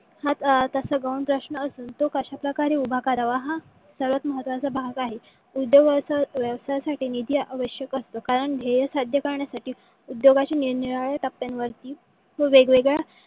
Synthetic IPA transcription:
hat̪t̪əsəɡawnpɾəɕnəːsuːnt̪okəɕapɾəkaɾeubʱakaɾaʋaɦã | səɾʋət̪məɦət̪ʋat͡sabʱaɡaɦe | ud̪joɡasʋjəʋsajasaʈiːnid̪ijəʔaʋəɕjəkəst̪okaɾəɳɡ̪ʱejəsad̪ʱjəkəɾɳjasaʈiː | ud̪joɡat͡ɕininiɭaɭat̪apːenʋəɾt̪iː | ʋəʋeɡʋeɡɭa

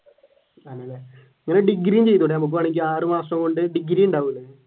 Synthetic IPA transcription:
ɐnːelːe | iŋːɐneɖiɡɾimt͡ɕe̞jt̪ːuɳɖeɐmuk̬ːuaːɳiŋkʲːiaːrɨmaːsrɐmko̞ɳɖɨɖiɡɾiːuɳɖaːʋilːe

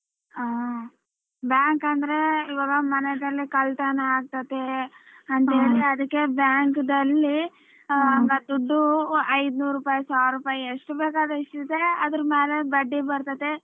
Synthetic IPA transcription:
aː | bjaːŋkɐnd̪ɐɾe̞iʋaːɡɐmɐnɛd̪ɐlːikɐlt̪ɐnɐaːɡ̚t̪ɐt̪eɐnt̪ɦeːɭiɐd̪ɐkːe̞bjaːŋkd̪ɐlːi | ɐŋɡɐd̪uɖːuɐjd̪nuːɾuːpaːjisaːɾuːpaːjieʂʈubeːkaːd̪ɐiʂʈid̪eɐd̪ɐɾɐmeːle̞bɐɖːibɐɾt̪ɐt̪ːe

